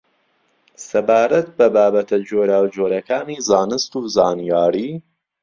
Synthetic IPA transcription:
sɐbaːɾɐt̪̚bɐbaːbɐt̪ʰɐd͡ʒoːɾaːwd͡ʒoːɾɐkaːniːzaːnɨst̪uːzaːnijaːɾiː

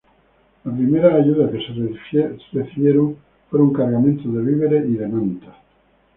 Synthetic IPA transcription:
lapɾimeɾaːʝuðakes | srefiβjeɾoŋ | fweɾuŋkaɾɣamẽnt̪oðeβiβeɾeiðemãnt̪ḁ

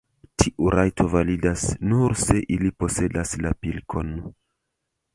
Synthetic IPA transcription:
tʰiʔuɾʔajtʰo̞validasnuɾse̞ʔilipo̞se̞daslapilkʰo̞n

